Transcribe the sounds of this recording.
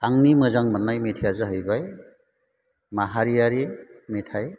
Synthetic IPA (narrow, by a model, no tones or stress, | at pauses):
aŋnimɯzaŋmanːajmetʰijazɯɦəjbaj | maɦaɾijaɾemetʰaj